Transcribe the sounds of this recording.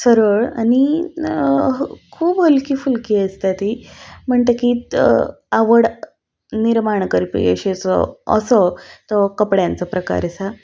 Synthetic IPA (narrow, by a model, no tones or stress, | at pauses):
səɾəɭa̰ñi | kʰuːbəlkiːfulkiəst̪at̪im̤əɳt̪əki | aʋəɽ | niɾmaɳkəɾipḭə̰ɕet͡sə̰ə̰sət̪əkəpɽjãnt͡səpɾəka̰ɾsa